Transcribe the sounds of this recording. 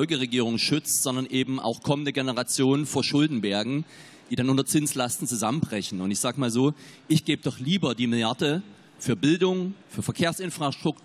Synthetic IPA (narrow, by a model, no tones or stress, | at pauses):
ɔlɡəʁeɡiːʁ̞ʊŋʃʏt͡stz̥ɔndɐnʔeːbm̩ʔa̰ʊxkʰɔməndəɡɛnəʁat͡sjoːnənfoːɐʃʊldn̩bɛɐɡŋ̩ | d̥iːdanʔʊntɐt͡sɪnslastn̩t͡suzamənbʁɛçn̩ʊntɪçz̥aːɡəmaːlzoːʔɪçɡ̥eːbədɔχliːbɐdiːmɪljaɐdə | fyːɐbɪldʊŋfyːɐfɛɐkʰeːɐsʔɪnfʁ̥astʁ̥ʊk